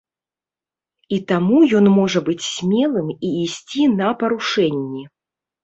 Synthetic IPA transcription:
it̪amujɔnmɔʐɐbɨt͡sʲsʲmʲɛlˠɨmiːsʲt͡sʲinɐpɐɾuʂɛnʲːɛ

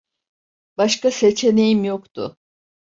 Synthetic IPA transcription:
baʃkase̞t͡ʃʰe̞ne̞jimjo̞kt̪ʰʊ̰

